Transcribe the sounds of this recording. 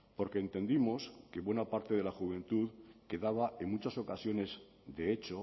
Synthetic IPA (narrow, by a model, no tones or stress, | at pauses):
po̞ɾkeːnt̪e̞nd̪imo̞ske̞βwe̞napaɾt̪e̞ðe̞laxuβ̞ẽ̞nt̪uðke̞ðaβ̞ae̞nmut͡ʃaso̞kasjo̞ne̞z | d̪e̞et͡ʃo̞